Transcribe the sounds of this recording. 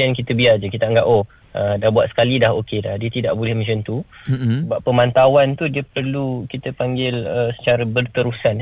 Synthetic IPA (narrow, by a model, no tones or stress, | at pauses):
iankit̪əbiard͡ʒəkit̪aəŋɡaʔo | ʔədahbuat̪sə̥kalidahokedahdiət̪idaʔbolɛhmə̃ɲt͡ʃənt̪usəbapːəmant̪awant̪udiəpərlukit̪əpaŋɡɪləsə̥t͡ʃaɾabərt̪əɾusan